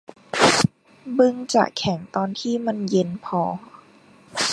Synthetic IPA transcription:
bɯ˧ŋt͡ɕa̰˨˩kʰɛ˩˦ŋt̪ɔː˧nt̪ʰiː˥˩ma˧˥˨nje˧npʰɔː˧

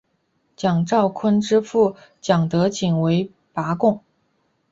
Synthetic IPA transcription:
t͡ɕjɑ˨˩ŋʈ͡ʂɑ˥˩ʊkʰwə˥nʈ͡ʂɻ̩˥fu˥˩t͡ɕjɑ˨˩ŋt̪ɤ˧˥t͡ɕi˨˩ŋwe˧˥ɪ | pa˧˥kʊ˥˩ŋ

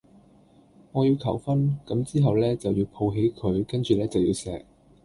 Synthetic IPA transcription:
ŋɔː˨˧jiː˧wkʰɐ̰˨˩wfɐ˥nkɐ˨˥mt͡siː˥ɦɐ˨wlɛː˥t͡sɐ˨wjiː˧wpʰo˧wɦe˨˥jkʰɵ˨˧ɥkɐ˥nt͡ʃyː˨lɛː˥t͡sɐ˨wjiː˧wsɛː˨k̚

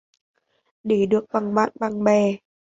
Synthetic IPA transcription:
ɗe˧˦ɗɨ˨˩ək̚ɓa˨˧˩ŋɓa̰ː˧˨nɓa˨˩ŋɓɛ˨˩

